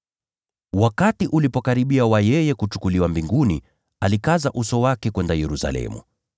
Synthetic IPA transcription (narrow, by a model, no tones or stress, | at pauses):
wakatiʔulipɔkaɾiɓiawajɛjɛkut͡ʃu̥kuliwambiŋɡuni | alikazaʔusɔwakɛkwɛndajɛɾusa̰lɛ̰mṵ